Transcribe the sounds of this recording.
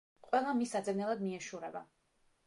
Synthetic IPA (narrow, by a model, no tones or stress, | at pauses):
qʼwɛlˠamisad̪zɛvnɛlˠad̪miɛʃuɾɛba